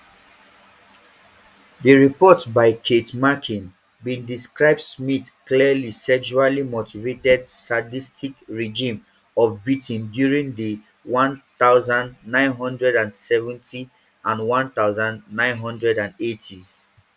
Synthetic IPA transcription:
dəɹipɔtbaɪkʰetmakʰĩn | bĩndiskɹaɪb̚dsmitkliəlisɛʃualimotivetɛdsadistʰikɹɛd͡ʒĩm | ɔvbitʰĩndjuɹĩŋdə | wɔ̃nt̪aʊzãndnãɪ̃nɦɔ̃ndɹɛdãnsɛvɛ̃ntʰi | ʔãnwɔ̃nt̪aʊzãnnãɪ̃nɦɔ̃ndɹɛdãnetʰiz

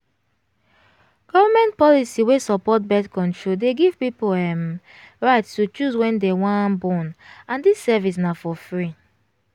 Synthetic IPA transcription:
ɡ̥ɔvamɛ̃ntpɔlisiwesɔpɔt̚bɛtkɔ̃ntɹodeɡiv̥pipoɛm | ɹaɪtstut͡ʃuswɛ̃ndewãnbɔ̃nãndisːɛvisnafɔfɹi

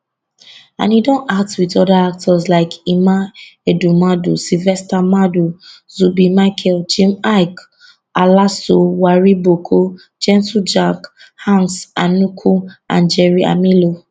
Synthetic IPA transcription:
ã̰nidɔ̃nak̚twitɔdaak̚tʰɔslaɪkimaɛdumadusilvɛstamadu | zubimakʰɛld͡ʒĩmaɪk | alasowaɹibokʰo | d͡ʒɛ̃ntud͡ʒak | hãnsanukʰuã̰nd͡ʒɛɹia̰milo

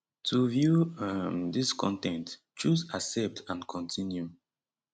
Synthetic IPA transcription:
tʰuvjumðiskʰɔ̰̃ntɛ̃nt | t͡ʃuzasɛp̚tʰãnkʰɔ̃ntʰĩnju

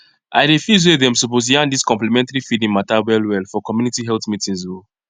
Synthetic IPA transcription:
ʔa̰ɪɾefjuz̬wedɛ̃msupos̬jãndiskɔ̃mplimɛ̃ntaɹifidĩnmatawɛlwɛlfɔkɔmjunitiɦɛlθmitĩnzwo

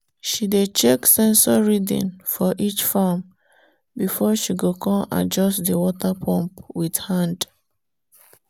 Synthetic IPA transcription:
ʃidet͡ʃeksɛ̃nsɔɹidḭ̃nfɔʔit͡ʃfam | bifɔʃiɡokʰɔ̃ma̰d͡ʒɔstdiwɔtapʰɔ̃mpwid̥hãnd

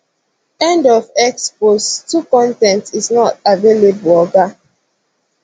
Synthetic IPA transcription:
ɛ̃ndɔvɛkspostukɔ̃ntɛ̃ntiznɔtavelebəlɔɡa

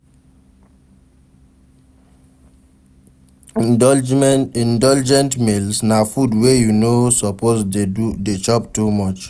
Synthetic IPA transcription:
ĩndɔld͡ʒɛ̃ntmelsnafudwejunosɔpozudet͡ʃɔptumɔt͡ʃ

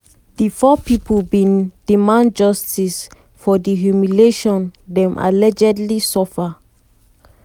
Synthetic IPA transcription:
difɔpipʰəlbĩndimãnd͡ʒʌstis | fɔdiɦjumileʃɔ̃ndɛ̃mʔa̰lɛd͡ʒɛdlisɔfa

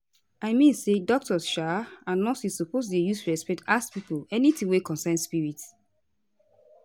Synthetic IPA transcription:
aɪmĩnsedɔk̚tɔsʃaãnlɔsisupostudejustɹɛspɛk̚taspipolɛnitĩwekɔ̃nsɛ̃nspiɹit

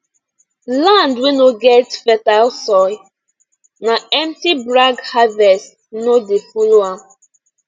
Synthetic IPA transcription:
lãndwinoɡɛtfɛtalsɔɪ | naɛmtibɾaɡhavɛst | nodefuloa

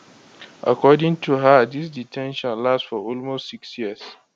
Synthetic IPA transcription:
ʔa̰kɔdɪ̃ŋtʰuɦadɪsditʰɛ̃nʃɔ̃nlastfɔʔɔlmostsɪksjiəs

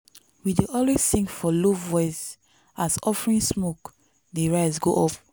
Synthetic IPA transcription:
wideʔɔlwezθĩŋkfɔlovːɔɪz | asɔfɹĩnsmok | deɹaɪsɡoʔɔp̚

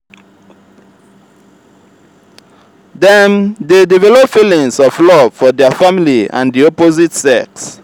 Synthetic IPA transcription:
dɛ̃mdedivɛlɔpfilĩŋsɔflɔv̥fɔdɛfamiliã̰ndiɔpozitsɛks

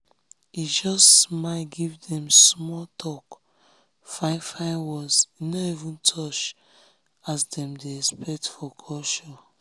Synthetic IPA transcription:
id͡ʒɔstmatɡivdɛ̃msmɔltʰɔk | fãɪfaɪwɔsinɔivũntʰɔt͡ʃ | asdɛ̃mdeɛspɛk̚tfɔkʰɔʃɔ

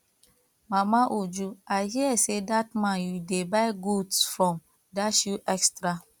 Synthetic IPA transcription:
mamaʔod͡ʒuaɪɦiɛsedat̚mãnjudebaɪɡudsfɹɔ̃m | daʃuʔɛkstɾa

